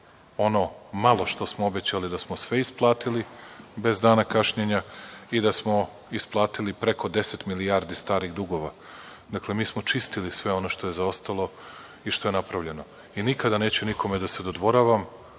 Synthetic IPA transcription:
o̞no̞malˠo̞ʃt̪o̞smoobe̞t͡ɕalid̪asmosʋe̞isplˠaːt̪ilibe̞zd̪aːnakaʃɲeɲaid̪asmo̞ | isplˠaːt̪ilipɾe̞ko̞d̪e̞se̞t̪milijaːɾd̪ist̪aːɾiɣd̪uɡo̞ʋa | d̪akle̞miːsmo̞t͡ʃist̪ilisʋe̞o̞no̞ʃt̪o̞jezao̞st̪alˠo̞ | iʃt̪o̞je̞napɾavʎe̞no̞ | inikad̪ane̞ːt͡ɕunikʰo̞med̪ased̪od̪ʋo̞ɾaʋam

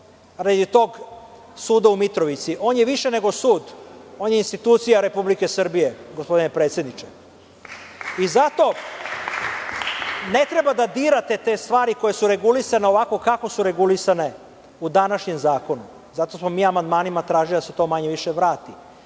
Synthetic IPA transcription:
ɾad̪it̪o̞ɡ | suːd̪aumit̪ɾoʋit̪siʔo̞ːnjeʋiʃene̞ɡo̞suːd̪o̞ːnjeinst̪it̪uːt̪sijaɾe̞publikesr̩bije̞ɡospo̞d̪inepɾet̪sje̞d̪nit͡ʃe | izat̪o̞ | ne̞t̪ɾe̞bad̪ad̪iːɾat̪e̞t̪e̞st̪ʋaːɾiko̞jesuɾe̞ɡulisaneo̞ʋako̞kako̞suɾe̞ɡulisane̞ | ud̪anaʃɲe̞mzaːko̞nu | zat̪o̞smomiːamand̪maːnimat̪ɾaːʒilid̪aset̪o̞maɲeʋiʃeʋɾaːt̪i

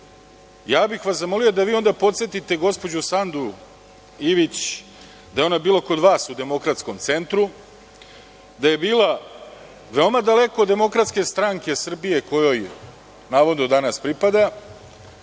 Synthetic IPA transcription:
jaːbixʋaszamo̞lijo̞d̪aʋiːo̞nd̪apo̞t̪sjet̪it̪e̞ɡo̞spo̞d͡ʑusand̪u | iʋit͡ɕ | d̪ajeo̞nabiːlˠoko̞d̪ʋaːsud̪e̞mo̞kɾat̪sko̞mt̪se̞nt̪ɾu | d̪aje̞biːla | ʋe̞o̞mad̪ale̞ko̞d̪ːe̞mo̞kɾat̪ske̞st̪ɾaŋke̞sr̩bije̞ko̞jo̞j | naːʋo̞d̪nod̪anaspɾipad̪a

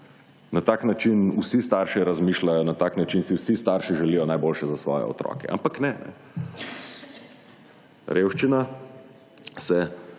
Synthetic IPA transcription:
nat̪aːknat͡ʃinusist̪aːɾʃɛɾazmiːʃlajɔnat̪aːknat͡ʃinsiwsist̪aɾʃiʒɛlijɔnajbolʃɛzasʋɔ̰ːjɛ̰ɔ̰t̪ɾɔ̰ːkɛ̰ʔa̰mpaknɛnɛ̰ | ɾewʃt͡ʃina | sɛ

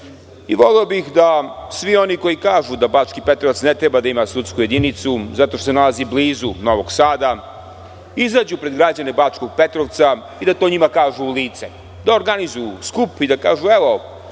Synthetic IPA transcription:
ḭʋo̞leobixd̪asʋio̞nikojikaːʒud̪abaːt͡ʃkipe̞t̪ɾoʋat̪snet̪ɾebad̪aimasut̪skuje̞d̪init̪suzat̪oʃt̪osenalazibliːzunoʋo̞ɡsaːd̪a | izaːd͡ʑupɾe̞d̪ɡɾad͡ʑane̞baːt͡ʃko̞ɡ̚pe̞t̪ɾoʋt̪sa | id̪at̪o̞ːɲimakaːʒuːliːt̪se | d̪aoɾɡanizojuskupid̪aka̰ːʒueʋo̞

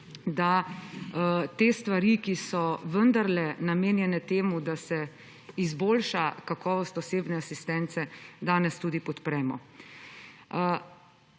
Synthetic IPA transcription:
d̪a | t̪eːst̪ʋaɾikisɔʋənd̪aɾlɛnameːnjɛnɛt̪eːmud̪asɛ | izboːlʃakakɔːʋɔst̪ɔseːbnɛasist̪ɛnt̪sɛd̪aːnɛst̪uːd̪ipɔt̪pɾɛːmɔ̰

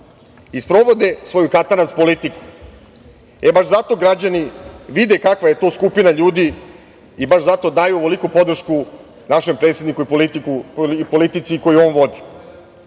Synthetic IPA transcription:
ispɾo̞ʋo̞d̪e̞sʋo̞jukat̪anaspo̞lit̪iku̥ | ebaʃzat̪o̞ɡɾad͡ʑaniʋid̪ekakʋaje̞t̪o̞ːskupinaʎuːd̪i | ibaʃzat̪o̞d̪aːjuoʋolikupo̞d̪r̩ʃku | naʃe̞mpɾet̪sjed̪nikuiplit̪uipo̞lit̪it̪siko̞juo̞ːnʋo̞d̪i

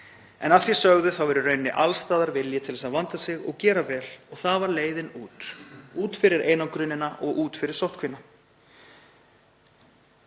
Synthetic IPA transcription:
ɛ̰nafjɛ̥sœɣðʏθawvɛɾʏrœːɥnːɪʔalst̪aːðaɾvɪljɪt̪ʰɪlvsaðvant̪asɪɣɔɣcɛːɾavɛːlɔɣθaðvaɾleːjðɪnuːt̪uːt̪fɪɾɪɾʔeːjnakɾʏnːɪnaʔɔɣʔuːt̪fɪɾɪɾ̥sowht̪kʰvɪna

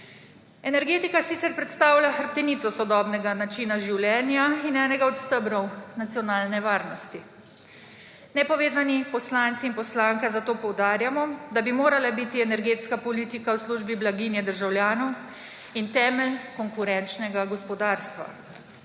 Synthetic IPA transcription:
ɛnɛɾɡeːt̪ikasiːt̪sɛɾpɾɛt̪st̪aːwlʲjaxəɾp̚t̪ɛniːt̪sɔsɔd̪ɔbnɛɡanat͡ʃinaʒiwljɛːnjainɛːnɛɡaɔt̪st̪əbnɔwnat̪sijɔnaːlnɛʋaːɾnɔst̪i | nɛpɔʋeːzanipɔslant̪siːnpɔslaːŋkɛzat̪oːpɔwd̪aːɾjamɔd̪abimoːɾalabit̪iɛnɛɾɡeːt̪skapɔliːt̪ikawsluʒbiblaɡiːnjɛd̪əɾʒawljaːnɔw | int̪ɛːmɛlkɔŋkuɾɛnt͡ʃnɛɡaɡɔspɔd̪aːɾst̪ʋa̰

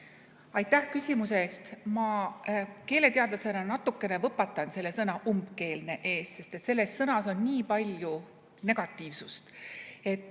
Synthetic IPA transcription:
ɑjt̪ːˑæhkysʲimuseːst̪mɑ | ke̞ːle̞t̪eɑd̪̥lɑse̞nɑnɑt̪ːˑukːˑe̞nevɤpːɑt̪ːˑɑnse̞lːe̞sɤnɑʔumbke̞ːlne̞ʔe̞ːsse̞st̪e̞t̪se̞lːe̞ssɤnɑso̞nːʲiːpɑlʲju | ne̞ɡ̥ɑt̪ːˑiːvsust̪e̞t̪ːˑ

